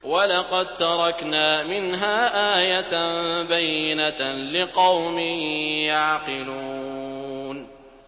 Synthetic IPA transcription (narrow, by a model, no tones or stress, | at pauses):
walɑqɑd̪̚t̪ɑɾˤɑknaːmɪnɦaːʔaːjat̪bajːɪnalɪqɑwmɪjaʕqɪluː | n